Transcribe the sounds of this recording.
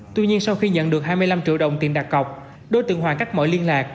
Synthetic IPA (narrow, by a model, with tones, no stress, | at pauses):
t̪wi˧ɲi˧ənsa˧wxi˧ɲə̰˧˨nɗɨ˨˩ək̚ɦaː˧jmɨ˧əjla˧mt͡ɕḭ˧˥əwɗə̰˧˨wŋ͡mt̪i˨˩nɗaː˨˩kɣə˨˩wk͡p̚ | ɗo˧˩jt̪ɨ̰˨˧˨ŋɦwaː˨˩ka˦˥k̟̚məː˧˨˦jli˧ənlaː˨˩k̚